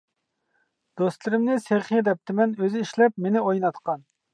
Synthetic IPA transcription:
d̪̥ost̪lˠɨɾɪmnɪseχid̪ɛp̚t̪ʰɪmɛnøzɪiʃlɛpmenɪojnɑt̪qʰɑn

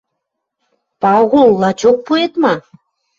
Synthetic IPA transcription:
pɑɣulˠːɑt͡ɕok̚puet̪mɑ

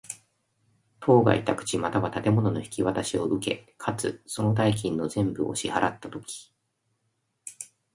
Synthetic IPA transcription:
t̪ʰo̞ːɡa̰it̪akɯ̟̥t͡ɕimat̪aβat̪at̪e̞mo̞nono̞çi̥kʲiβat̪aɕio̞ʔɯ̟ke̞̰kʰat͡sɨ̰so̞no̞d̪aik̬ʲĩnːo̞zẽ̞mbɯ̟o̰ɕihaɾat̪ːat̪o̞kʲi̥

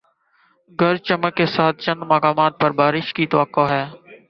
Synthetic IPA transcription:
ɡəɾt͡ʃəməkːeːsaːt̪̚ʰt͡ʃə̃nd̪maːkaːmaːt̪̚pəɾbaːɾɪʃkit̪əʋəkːoːɦɛː

